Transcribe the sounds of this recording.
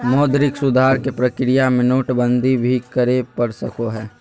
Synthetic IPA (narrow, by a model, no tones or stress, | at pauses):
mɔːd̪ɾɪksʊd̪ʱaːɾkepɾəkɾɪjamẽnoːʈbə̃nd̪ʱibʱikəɾepɐɽsəkoɦɛː